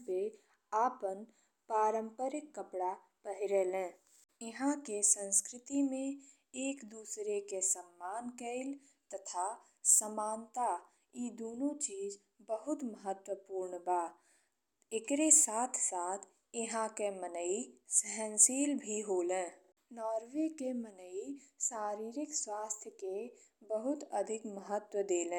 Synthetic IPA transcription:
pe | aːpən | paːɾə̃mpəɾɪkːəpɽa | pəɦɪɾelẽː | ɪɦãkesə̃nskɾɪt̪imẽ | eːkd̪uːsɾekesəmːaːnkəɪl | t̪ət̪ʰa | səmaːnt̪a | id̪oːnot͡ʃiːz | bəɦʊt̪məɦət̪wəpuːɾɳbaː | ɪkɾesaːt̪ʰsaːt̪ʰ | ɪɦãkemənəisəɦɛ̃nsiːlbʱiɦoːlẽː | nɔːɾwekemənəisaːɾiːɾɪkswaːst̪ʰjəke | bəɦʊt̪əd̪ʱɪkməɦət̪wəd̪eːlẽː

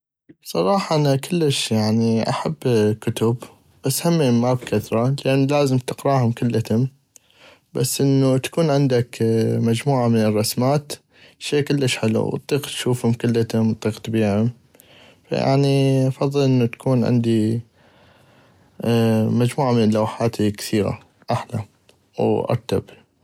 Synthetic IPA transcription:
sˤɑɾˤɑːħɑʔanakɪlːəʃjaʕniʔa̰ħabːkʊt̪ʊb | b̥asːhamːimːabkʰaθɾˤɑlɪʔanːlaːzɪmt̪ɪqɾɑːhʊmkʊlːat̪ʊm | b̥a̰sːʔɪnːut̪ḁkuːnʕɪnd̪akmad͡ʒmuːʕamɪnɪrˤːɑsmaːt̪ | ʃeːkɪlːəʃħɪlṵw̰t̪ˤːiːqt̪ʃuːfhʊmkɪlːat̪ʊmt̪ˤiːqt̪biːʕʊm | fa̰ja̰ʕniʔɑfɑðˤːɨlʔɪnːut̪ḁkʰuːnʕɪ̰nd̪i | mad͡ʒmuːʕamɪnlawħaːt̪ikθiːɣa̰ | ʔaħla̰ | wʔɑ̰ɾˤt̪ab

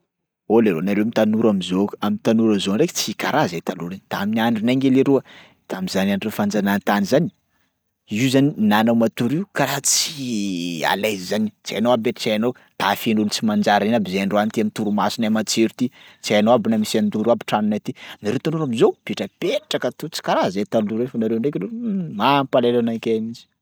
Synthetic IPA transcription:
oleɾonaɾewmit̪anuɾamizoamint̪anuɾamzonɖ͡ʐekt͡sikaɾazat̪aluɾent̪aaminiaɳɖ͡ʐinaŋɡeleɾuə | t̪aamizananɾefand͡zanant̪anizani̥ | izaninanawmat̪uɾiukaɾat͡si | a̰lajzizant͡sia̰janoabeʈ͡ʂt͡sajano | t̪afinulut͡simand͡ʒaɾinabizeaɳɖ͡ʐowant̪iamint̪uɾumasinamat͡seɾut̪it͡siajanowabinamisand̪uɾuabiʈ͡ʂanunat̪inaɾewt̪anuɾamizowpiʈ͡ʂəpeaʈ͡ʂakət̪ut͡si̥kaɾazet̪aluɾefanaɾewɳɖ͡ʐekiɾemampalelanakamid͡ʒi̥

